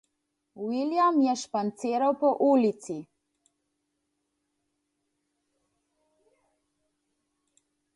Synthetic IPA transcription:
wiljamjɛʃpant̪seːɾawpɔʔuːlit̪si

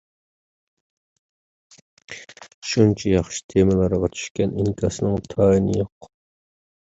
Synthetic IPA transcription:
ʃunt͡ʃʰijɑχʃi̥t̪ʰemɨlˠɑɾəʁɑt͡ʃʰy̥ʃkʲɛniŋkʰɑsɨnɨŋt̪ʰɑːinɨ̰joqː

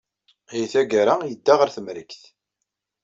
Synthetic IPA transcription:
æjθæɡaɾajəd̪ːaʁəɾθəmɾəkθ

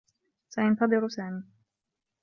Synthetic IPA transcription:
saʔɪnt̪ɑd̪ˤɨɾʊsaːmi

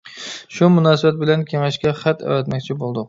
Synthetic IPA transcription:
ʃumunɑːsɨbɛt̪̚bɪlɛnkʲʰeŋɛʃkʲɛχæt̪ɛ̰ɾɛt̪mɛkʲt͡ʃʰibolˠd̪ʊq

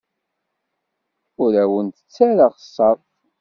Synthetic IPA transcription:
ʊɾæwənt̪ə̥t͡sːæɾaʁəsˤːɑɾˤ

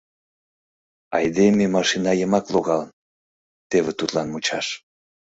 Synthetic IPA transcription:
ɑ̰jd̪ememɑʃinɑjəmɑkloɣɑlən | t̪eβet̪ut̪lɑnmut͡ɕɑʃ

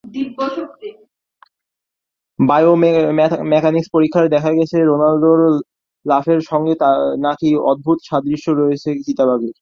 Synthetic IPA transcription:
d̪iɡːoʃoke | bajo | mɛkanikspoɾikʰːaɾd̪ɛkʰaɡɛt͡ɕʰeɾonald̪oɾ | lafeɾʃɔŋɡet̪anakiɔ̰d̪̚bʱut̪ʃad̪ɾiʃːoɾɔet͡ɕʰet͡ɕit̪abaɡeɾ

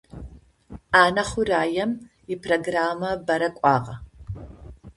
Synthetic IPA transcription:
aːnɐχʷʊraːjɛm | ipʰroɡraːmɐbɐɾɐkʷʼɑːʁɐ

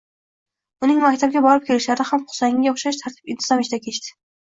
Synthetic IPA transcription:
ʊnɪŋmakʲt̪ʰab̚ɡʲabɒɾɪp̚kʲʰe̞lɪʃlaɾɪnɪhamqʊ̥sajɪŋɡʲaoχʃaʃt̪ʰaɾt̪ʰɪpɪnt̪ʰɪz̥ɒmɪt͡ʃd̪akʲʰe̞ʃt̪ɪ̥

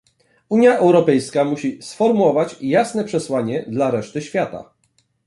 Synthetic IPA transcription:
uɲjaʔɛwɾɔpɛjskamuɕisfɔɾmuwɔvat͡ɕjasnɛpʂɛswaɲɛd̪laɾɛʂt̪ɘɕfʲjat̪a̰

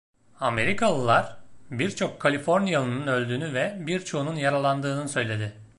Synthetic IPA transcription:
ame̞ɾikʰalˠɯlˠaɾ̥biɾt͡ʃʰo̞kʰːalʲifo̞ɾnjalˠɯnunø̞lʲd̪yːnyvɛbiɾt͡ʃʰo̞ununjaɾalˠand̪ɯːnɯsø̞jlʲe̞d̪ɪ

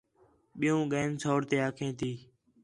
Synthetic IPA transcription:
ɓɪjũːɠeːnsoːɽt̪eːaːkʰẽːt̪ʰiː

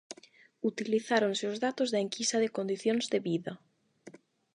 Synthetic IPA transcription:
ut̪iliθaɾonseozðat̪ozðaeŋkisɐðekond̪iθjõnzðeβiðɐ

